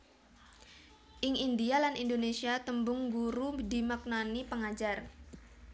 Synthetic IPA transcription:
ʔɪŋindialanindonesiat̪əmbʊŋɡuɾudimak̚nanipəŋad͡ʒar

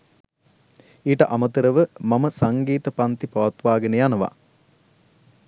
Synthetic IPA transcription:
iːʈəʔamət̪əɾəʋəmɐməsaŋɡiːt̪əpant̪ipaʋɐt̪ʋaːɡənəjanəʋa̰

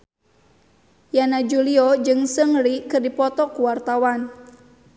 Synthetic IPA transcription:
janad͡ʒuliɔd͡ʒɨŋsəŋɾikɨrdipɔt̪ɔkuwart̪awan

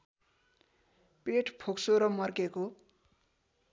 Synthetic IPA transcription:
peʈpʰoksoɾʌmʌrkeko

